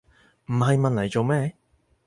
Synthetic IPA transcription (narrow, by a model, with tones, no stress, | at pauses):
m̩˨˩ɦɐ˨jmɐ˨nlɐ˨˩jt͡so˨˧wmɛː˥